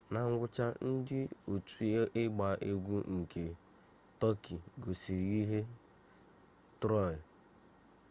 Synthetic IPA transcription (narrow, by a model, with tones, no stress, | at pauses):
na˨ŋ̩˦ɡʷʊ˦t͡ʃa˦n̩˦dɪ˦o˨tu˨˦ɪ˦ɡ͡ba˨ʔe˦ɡʷu˦ŋ̩˨kʰe˨ | tɔ˦ki˨ɡo˨si˨ɾɣi˦ɦe˦ | tɾɔ˦˨ɪ˨